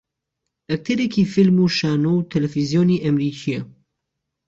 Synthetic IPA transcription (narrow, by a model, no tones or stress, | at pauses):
ʔɐk̚t̪ʰɛɾɛkʰiːfilmuːʃaːnowt̪ʰɛlɛfizjoːniːʔɐmɾiːkʰijɛ